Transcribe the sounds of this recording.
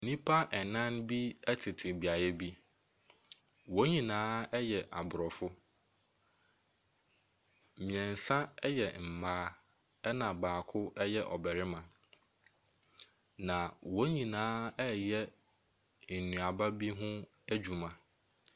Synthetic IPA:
nĩ˦pʰa˦ʔɛ˨nã˦nbi˦ɛ˦tʰɪ˨tʰɪ˨bi˨a˨jɛ˦bi˦ | wo˦ɲĩ˨nãː˦ɛ˦jɛ˨ʔa˨bʊ˨ɾɔ˨fʊ˦˨ | mĩ˨ɛ̃˨n̩˨sã˦ɛ˦jɛ˨m̩˨maː˦ | ɛ˦nã˨baː˨kʰʊ˦ɛ˦jɛ˦ʔɔ˨bɛ˨ɾɪ˦mã˨ | nã˨wɔ˦ɲĩ˨nãː˦ɛ˦jɛ˦ | n̩˨nũ˨a˨ba˦bi˦ɦʊ̃˦ | æ˦d͡ʑu˨mã˨

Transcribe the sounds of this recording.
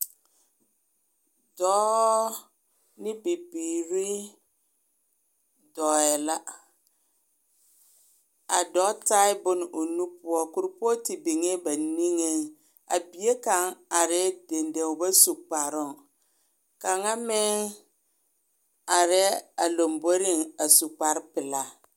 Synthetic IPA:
dɔː˦ | nɪ˦pi˨piː˨ɾi˦ | dɔ˨ɛ˨la˦ | a˨dɔ˨˦ta˦ɪ˦bʊ˦nɪ˨ʔo˨nu˦pʊ˦ɔ˦kʊ˨ɾɪ˦pɔ˦tɪ˨bɪ˨ŋe˦ba˨ni˦ŋe˦ | a̰˨bi˨˦e˦ka˨ŋa˨ɾɪ˦de˨nde˨ʊ˨ba˦su˨k͡pa˨ɾʊ˦˨ŋ | ka˨ŋa˦mɪ˦ | a˨ɾɛ˦a˨lo˨mbo˦ɾɪ˦ŋa˨su˨k͡pa˨ɾɪ˦pɪ˨la˨

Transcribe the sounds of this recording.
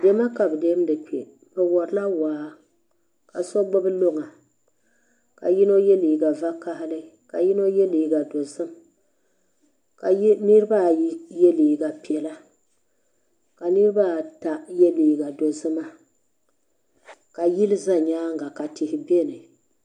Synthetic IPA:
dɛ˦ma˦ka˨bɨ˨de˦m˦dɨ˨k͡pe˨ | bɛ˨wɔ˨ɾla˦waː˨˦ | ka̰˨sɔ˦ɡ͡bʊ˦bɨ˦lo˦ŋa˨ | ka̰˨ji˦no˦jɛ˦liː˨ɡa˨va˦ka˦hɪ˦lɨ˦ka˨ji˦no˦jɛ˦liː˨ɡa˨do˨zɨ˦m | ka˨˦nɨ˦ɾɨ˦ba˦jɛ˦liː˨ɡa˨pi˨ɛ˨la˦ | ka˨nɨ˦ɾɨ˦ba˦ta˨jɛ˦liː˨ɡa˨do˨zɨ˦ma˦ | ka˨ji˦lɨ˦za˦ɲaː˦ŋ˦ɡa˨ka˨tɪ˨hɪ˨bɛ˦˨nɨ˨

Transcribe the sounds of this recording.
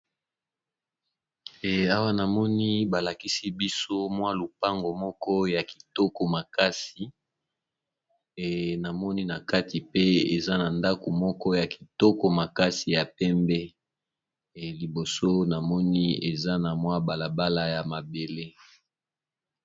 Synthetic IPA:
a˦wa˦na˨mɔ˦ni˦ba˨la˨ki˦si˦bi˦so˦mwa˦lu˨pa˦ŋɡo˨mɔ˦kɔ˦ja˨ki̥˨tɔ˦ko˨ma˨ka˦si˨ | na˨mɔ˦ni˦na˨ka˦ti˨pe˦e˨za˦na˨nda˦ko˨mɔ˦kɔ˦ja˨ki˨tɔ˦ko˨ma˨ka˦si˨ja˨pɛ˦mbɛ˦˨ | li˨bo˨so˦na˨mɔ˦ni˦e˨za˦na˨mwa˦ba˨la˨ba˦la˦ja˨ma˨be˨le˦

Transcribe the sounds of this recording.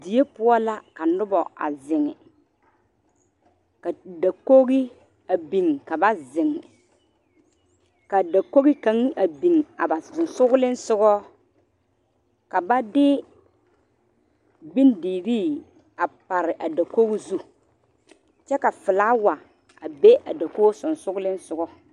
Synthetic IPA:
di˨e˦pʊ˦ɔ˦la˦ka˨nʊ˦bɔ˨a̰˨zɪ˨ŋɛ̰˨ | ka˨da˨ko˦ɣi˦ | a˨bi˨ŋ˨ka˨ba˦zɪ˨ŋɪ̰˨ | ka˨da˨ko˦ɣi˦ka˨˦ŋ˦ʔa˨bi˨ŋ˨a˨ba˨zʊ˨nsʊ˦ɣʊ˦lɪ˦n˦sʊ˦ɣɔ˦ | ka˨ba˦dɪ˦ | bi˦ndiː˨ɾiː˦ | a˨pa˨ɾɪ˨ʔa˨da˨ko˦ɣi˦zu˦ | t͡ʃɛ˦ka˨fɪ˨laː˦wa˨ | a˨be˦ʔa̰˨da˨ko˦sʊ˨nsʊ˦ɡʊ˦lɪ˦n˦sʊ˨ɡɔ˦

